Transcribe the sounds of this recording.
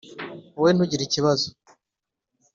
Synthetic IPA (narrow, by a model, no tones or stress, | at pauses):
uwen̥huɟiɾiciβazo